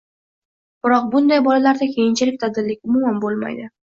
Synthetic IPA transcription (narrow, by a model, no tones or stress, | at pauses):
b̥ɪɾɒq̚bʊnd̪ajbɒlalaɾd̪akʲʰejɪnt͡ʃʰɪlɪk̚ʲt̪ʰad̪ɪɾlɪkʲʊmʊmanbolˠma̰jd̪ɪ